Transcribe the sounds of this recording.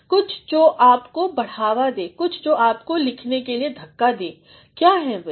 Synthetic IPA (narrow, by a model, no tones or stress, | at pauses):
kʊt͡ʃʰd͡ʒoːʔaːpkobɐɽ̤aːʋad̪eːkʊt͡ʃʰd͡ʒoːaːpkolɪkʰnekelied̪ʱɐkːad̪eː | kjaːɦɛʋe